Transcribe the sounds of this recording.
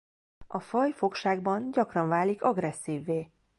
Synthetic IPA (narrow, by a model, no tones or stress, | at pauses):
ʔɒfɒjfo̞kʃaːɡbɒnɟɒkrɒɱvaːlikɒɡrɛsːiːvːeː